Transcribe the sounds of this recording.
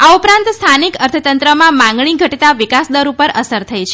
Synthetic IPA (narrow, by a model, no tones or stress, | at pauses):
aupɾãnt̪st̪ʰanikəɾt̪ʰət̪ənt̪ɾəmãmãŋɡɳiɡʱəʈt̪aʋikasd̪əɾupəɾəsəɾt̪ʰəjt͡ʃʰe